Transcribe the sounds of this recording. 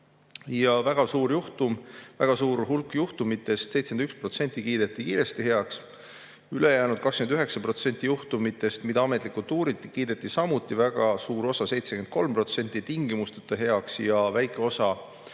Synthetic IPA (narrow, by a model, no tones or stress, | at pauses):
jɑvæɡ̥ɑsuːɾjuht̪umvæɡ̥ɑsuːɾɦulkːjuht̪umit̪ːˑe̞st̪sejt̪senykspro̞t̪se̞nʲt̪ːˑikiːd̪̥e̞t̪ːˑikiːɾe̞st̪ihe̞ɑks | yle̞jæːnud̪̥̚kɑkskymnd̪yɦe̞ksɑpɾro̞t̪se̞nʲt̪ːˑijuht̪umit̪ːˑe̞st̪mid̪̥ɑɑme̞t̪likːˑult̪ːuːɾit̪ːˑikiːd̪̥et̪ːˑisɑmut̪ːˑivæɡ̥ɑsuːɾo̞sɑse̞jt̪sekymet̪̚ko̞lmpro̞t̪se̞nʲt̪ːˑit̪iŋɡimust̪e̥t̪ːˑɑɦe̞ɑksjɑvæjkːˑeo̞sɑ